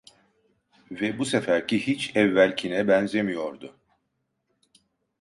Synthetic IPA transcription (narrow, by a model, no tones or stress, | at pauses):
vɛbusefæɾcʰihit͡ʃɛvːælʲcʰinɛbænzemijo̞ɾd̪ʊ